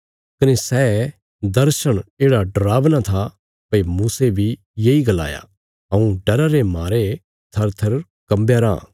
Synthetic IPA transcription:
kɐnesɛː | d̪ɐɾʃəɽ̃eːɽaɖɾaːʋnat̪ʰa | pɐimuːsebʱi | jeːiɡɐla̰ːja̰ | ɦɐ̃ũɖɐɾaɾemaːɾe | t̪ʰɐɾt̪ʰɐɾ | kɐmbjaɾã̰ː

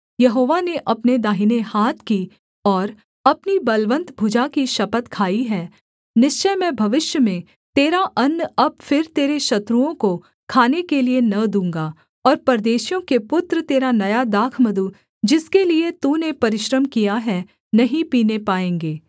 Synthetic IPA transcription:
jɐɦoːʋaneʔɐpned̪aːɦinehaːt̪ʰki | ɔːɾ | ɐpnibɐlʋə̃nt̪bʱʊd͡ʒakiʃɐpət̪kʰaːiɦɛː | nɪʃt͡ʃəjmẽbʱɐʋɪʃjəmẽ | t̪eːɾaʔɐnːɐb̚fɪɾt̪eːɾeʃɐt̪ɾuõko | kʰaːnekelienɐd̪ũːŋ̆ɡa | ɔːɾpɐɾd̪eːʃijõkepʊt̪ɾət̪eːɾanɐjad̪aːkʰməd̪u | d͡ʒɪskeliet̪unepɐɾɪʃɾəmkijaɦɛ | nɐɦĩpiːnepaːẽːŋɡeː

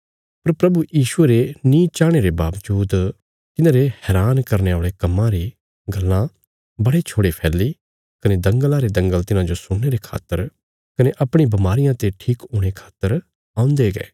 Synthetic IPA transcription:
pɐɾpɾɐbujiːʃʊeɾenĩt͡ʃaːɽ̃eɾebaːʋd͡ʒuːd̪ | k̪ɪnãːɾehɛːɾaːnkɐɾneoːɭekɐmːãɾi | ɡɐlːã | bɐɽet͡ʃʰoːɽepʰɛːlːi | kɐned̪ɐ̃ŋɡəlãɾed̪ɐ̃ŋɡəlt̪ɪnãd͡ʒosʊɽːeɾekʰa̰ːt̪ːəɾ | kɐneʔɐpɽ̃ibɐmaːɾɪjãt̪eʈʰiːkʊɽ̃ekʰḁːt̪ːəɾ | ãːʊ̃nd̪eɡḛː

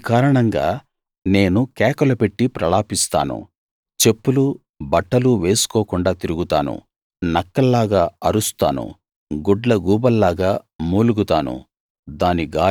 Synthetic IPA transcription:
kaːɾɐɳɐŋɡa̰ː | ne̞ːnukɛːkɐlɐpe̞ʈːipɾɐɭaːpist̪a̰ːnṵ | t͡ʃe̞pːulu | bɐʈːɐluʋe̞ːsu̥kɔːkuɳɖaːt̪iɾuɡut̪a̰ːnṵ | nɐkːɐlːaːɡaːɐɾust̪a̰ːnṵ | ɡoɖlɐɡuːbɐlːaːɡaːmuːluɡut̪aːnṵ | d̪aːniɡaː

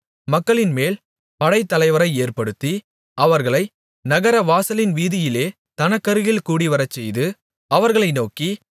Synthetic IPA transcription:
mɐkːɐɭɪnmeːl | pɐɽɐɪt̪ːɐlɐɪʋɐɾɐɪeːrpɐɽɯt̪ːi | ɐʋɐɾɣɐɭɐɪ | nɐɣɐɾɐʋaːsɐlɪnʋiːðɪjɪleː | t̪ɐnɐkːɐɾɯɣɪlkuːɽiʋɐɾɐt͡ʃːɛjðɯ | ɐʋɐɾɣɐɭɐɪnoːki

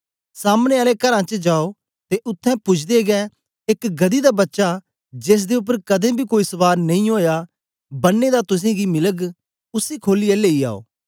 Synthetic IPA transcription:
saːmneaːlekɐɾãt͡ʃd͡ʒaːo | t̪eʔʊt̪ʰːɛ̃pʊt͡ʃʰd̪eɡɛː | ɪkɡɐd̪id̪abɐtːʃa | d͡ʒeːs̬d̪eʊp̬ːəɾkɐd̪ẽːbʱikoːisʊʋaːɾnɐĩɦoːja | bɐnːed̪at̪ʊs̬ẽɡimɪləɡ | ʊsiːkʰoːlɪɛleːia̰ːo̰ː

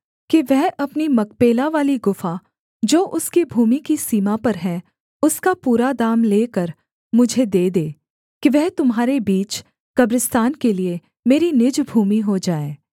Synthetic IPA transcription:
kiʋɛɦɐpnimɐk̚peːlaʋaːliɡʊfa | d͡ʒoːʔʊskibʱuːmikisiːmapɐɾɦɛ̃ | ʊskapuːɾad̪aːmleːkəɾ | mʊd͡ʒʱed̪eːd̪eː | kiʋɛɦt̪ʊmɦaːɾebiːt͡ʃ | kɐbɾɪst̪aːnkelie | meːɾinɪd͡ʒbʱuːmiɦod͡ʒaːeː

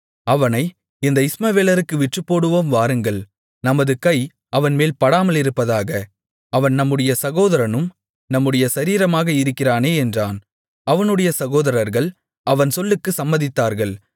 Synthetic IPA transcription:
ɐʋɐnɐɪ | ɪnd̪ɐɪsmaːʋeːlɐɾɯkːɯʋɪʈrɯpːoːɽɯʋoːmʋaːɾɯŋɡɐɭ | nɐmɐðɯkɐɪ | ɐʋɐnmeːlpɐɽaːmɐlɪɾɯpːɐðaːɣɐ | ɐʋɐnnɐmːɯɽɐjɐsɐɣoːðɐɾɐnɯm | nɐmːɯɽɐjɐsɐɾiːɾɐmaːɣɐɪɾɯkːɪraːneːɛndraːn | ɐʋɐnɯɽɐjɐsɐɣoːðɐɾɐɾɣɐɭ | ʔɐʋɐnsɔlːɯkːɯsɐmːɐðɪt̪ːaːɾɣɐɭ

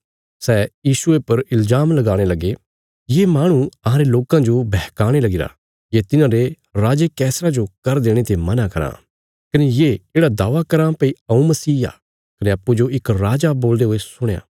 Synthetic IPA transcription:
sɛːjiːsʊepɐɾɪlzaːmlɐɡaːɽ̃elɐɡe | jeːmaːɽ̃ũɐɦãːɾeloːkãd͡ʒobʱɛɦkaːɽ̃elɐɡɪɾa̰ | jet̪ɪnãɾe | ɾaːd͡ʒekɛːsɾad͡ʒokɐɾd̪eːɽ̃et̪emɐnakɐɾa̰ː | kɐnejeːeːɽad̪aːʋakɐɾãːpɐiɐũmɐsiːa̰ː | kɐneɐpːud͡ʒoɪkɾaːd͡ʒaboːld̪eɦoːesʊɽ̃ja̰ː

